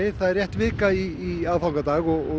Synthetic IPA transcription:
θaðɛrjɛht̪vɪːkaiːaːvfawŋkat̪aːɣɔɣɔ

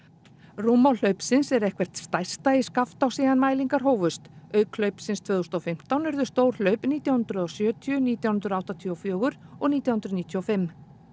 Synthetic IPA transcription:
ruːmawl̥œɥpsɪnsɛɾɛhkvɛr̥t̪st̪aj̥st̪aiskaft̪awsiːðanmaːjliŋkaɾ̥ɦoːwvʏst̪œɥkl̥œɥpsɪnst̪ʰvœːðust̪ɔfɪm̥t̪awnʏɾðʏst̪oːwɾ̥l̥œɥpniːt̪jawhʏnd̪ɾʏðɔsjœːt̪ʰjʏniːt̪jawhʏnt̪ɾawht̪at̪ʰjɔfjœːɣʏɾɔɣniːt̪jawhʏnd̪ɾʏðniːt̪ʰjuɔfɪmː

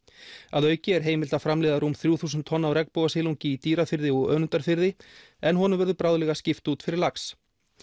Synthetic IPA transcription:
aðœːɥcɪɛɾ̥ɦeːjmɪl̥t̪afɾamlɛːðaɾuːmθɾjuːθuːsʏnt̪ʰːɔnːawɾɛkpowɣasɪluɲcɪit̪iːɾafɪɾðɪɔɣœ̰ːnʏnt̪aɾ̥fɪɾðɪ | ɛnɦɔnʏmvʏɾðʏpɾaːwðlɛːɣascɪft̪uːt̪fɪɾɪɾlaks

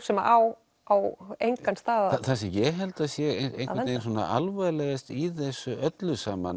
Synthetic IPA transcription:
sɛmaʔaːw | awejŋkanst̪aːðaθasɛmjɛɦɛlt̪asjɛɣeejɾnensɔːna̰ʔalvɛðlɛɣɪst̪iθɛsːʏœt̪lʏsaːma̰n

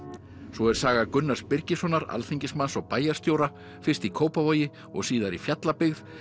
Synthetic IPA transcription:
svɔɛɾ̥saːɣakʏnːaɾ̥spɪɾcɪsɔnaɾa̰lθiɲcɪsmansɔɣpaːjaɾ̥st̪joːwɾa | fɪr̥t̪ikʰoːwpavoːjɪ | ɔ̰ɣsiːðaɾifjat̪lapɪɣð

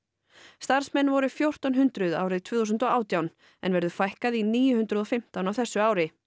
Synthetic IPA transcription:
st̪aɾ̥smɛnːvɔɾʏfjowr̥t̪awnɦʏnt̪ɾʏða̰ːwɾɪðt̪ʰvʏːθus̬ʏnt̪ɔaːwt̪jawn | ɛ̰nvɛɾðʏfajhkaðiniːjʏhʉnt̪ɾʏðɔfɪm̥t̪awnavθɛsːʏaːwɾɪ

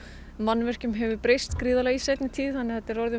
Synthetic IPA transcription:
manːvɛr̥cʏmɦɛvʏpɾejst̪kɾiːðalaisajt̪nɪt̪ʰiːðθanːɪθɛt̪ːɪɾɔɾðʏ

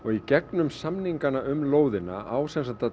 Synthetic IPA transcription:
ɔɣicɛknʏmsamniŋkanaʔʏmloːwðɪna̰aːwsɛnsat̪a

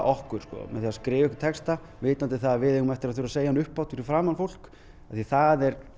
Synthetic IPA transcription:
ʔɔhkʏɾ̥skɔ̰mɛ̰θiaːðaskɾɪːvɛhkɪ̥t̪ʰɛkst̪a | vɪːt̪nant̪ɪθaðavɪðɛɣʏmɛft̪ɪɾaðθʏɾaseːjanʏhpːawt̪fɪɾɪfɾaːmanfowl̥k | aθiθaðɛɾ

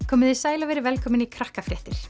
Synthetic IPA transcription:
kʰɔːmɪðɪsaːjlavɛɾɪvɛlkʰɔːmɪnikʰɾahkafɾɛht̪ɪɾ̥

